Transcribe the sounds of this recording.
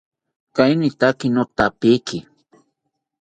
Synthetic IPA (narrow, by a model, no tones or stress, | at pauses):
kajnɪt̪akɪnot̪apɪjkɪ